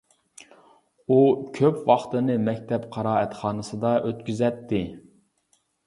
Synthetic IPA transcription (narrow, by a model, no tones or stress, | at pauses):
ukʲʰøpwɑχt̪ɨnɨmɛkʲt̪ʰɛpqʰɑɾɑːɛt̪χɑːnɨsɨd̪ɑʔøt̪kʲyzɛt̪ːɪ